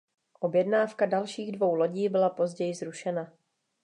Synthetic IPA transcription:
ʔo̞bjɛdnaːfkadalʃiːɣdvo̞wlo̞ɟiːbɪlapo̞zɟɛjɪzɾuʃɛna

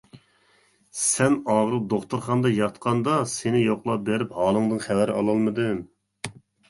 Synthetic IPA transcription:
sɛnɑːʁəɾɨp̚d̪oχt̪uɾχɑnd̪ɑjɑt̪qʰɑnd̪ɑsenɪjoχlˠɑp̚beɾɪphɑːlˠɨŋd̪ɨnχævæɾɑlˠɑlˠmɨd̪ɨ

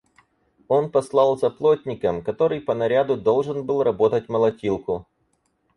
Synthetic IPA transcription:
o̞npɐslˠɑlˠzɐplˠotʲnʲɪkəmkɐt̪o̞ɾɨjpənɐɾʲad̪ʊd̪o̞lˠʐɨnbɨlˠrɐbo̞t̪ət̚ʲməlˠɐtʲilˠkʊ

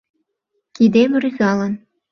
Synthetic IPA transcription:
kid̪emryzɑlə̆n

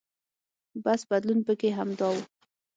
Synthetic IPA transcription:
basbad̪lunpəkeɦamd̪ɑwu

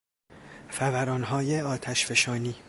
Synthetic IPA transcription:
fævæɾɒːnɦɒːjeɒːt̪ʰæʃfe̞ʃɒːniː

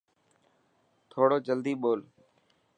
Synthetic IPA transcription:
t̪ʰoːɽoːd͡ʒəld̪iːɓoːl

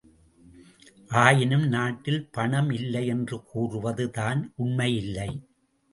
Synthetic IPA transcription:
ʔaːjɪnɯmnaːʈːɪlpɐɳɐmɪlːɐɪɛndrɯkuːrɯʋɐðɯðaːnʔʊɳmɐjɪlːɐɪ

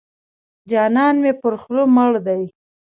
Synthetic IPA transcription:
d͡ʒɑnɑnmepəɾxloməɽd̪aj

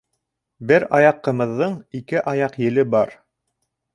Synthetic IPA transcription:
bɘɾɑjɑqːɤ̆mɤ̆ðːɤɴikɘʔɑjɑqjɘ̆lɘbɑɾ

